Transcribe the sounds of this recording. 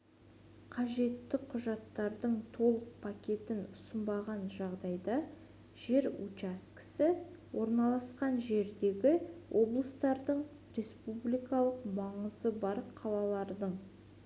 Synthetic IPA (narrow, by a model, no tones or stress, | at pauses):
qʰɑʒe̞t̪ːɪqʰʊʒɑt̪ːɑɾd̪əɴt̪ʰo̞lˠəq̚pʰakʲe̞t̪ɪnʊsəmbɑʁɑnʒɑʁd̪ɑjd̪ɑ | ʒe̞ɾut͡ʃast̪̚kɪ̥sɪ | wʔo̞ɾnɑlˠɑsqɑnʒe̞ɾd̪e̞ɡʲɪwʔo̞blˠəst̪ɑɾd̪əɴ | ɾe̞spublijkɑlˠəqmɑɴəzəbɑɾqʰɑlˠɑlˠɑɾd̪əɴ